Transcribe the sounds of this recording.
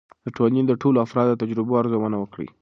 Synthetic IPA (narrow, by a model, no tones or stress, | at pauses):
d̪əʈolnind̪əʈoloafɾɑd̪̚ːət̪ad͡ʒɾɪboaɾzowənawəkɽḭ